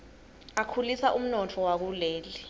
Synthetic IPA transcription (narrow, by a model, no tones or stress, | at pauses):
akʰulisaʔum̩nɔtʰɔwak̬uleːli